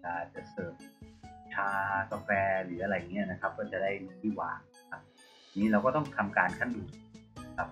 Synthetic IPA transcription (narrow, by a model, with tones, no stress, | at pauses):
aː˨˩t͡ɕa˨˩sɤː˨˩p̪̚t͡ɕʰaː˧ka˧fɛː˧ɾɯː˩˦ʔa˧a˧jːa˨˩ŋːi˦˥ɐ˨na˦˥kʰa˦˥p̚kɔː˥˩t͡ɕa˨˩da˥˩jnɯ˧˩t̪ʰiː˥˩wa̰ː˨˩˦ŋ̚na˦˥kʰa˦˥p̪̚ | a˧niː˦˥ɾa˧wkɔː˥˩t̪ɔ˥˩ŋt̪ʰa˧mkaː˧nkʰa˥˩nduː˨˩t̪̚na˦˥kʰa˦˥p̚